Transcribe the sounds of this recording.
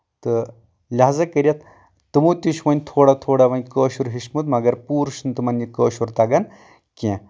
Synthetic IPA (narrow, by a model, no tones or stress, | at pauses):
t̪ɨ | lʲɐɦzɐkɐɾʲijɐt̪ | t̪ɨmut̪ʲuʃʰʋɐnʲt̪ʰoːɽat̪ʰoːɽaʋɐnʲkəːʃuɾɦiʃmɨt̪mɐɡɐɾpuːɾʃunt̪ɨmɐnikəːʃuɾt̪ɐɡɐn | kʲẽː